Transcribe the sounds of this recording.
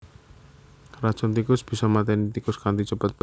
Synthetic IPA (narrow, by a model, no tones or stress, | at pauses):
rḁt͡ʃɔnt̪ikʊsb̥isɔmat̪ɛnit̪ikʊskant̪it͡ʃəpət̪̚pə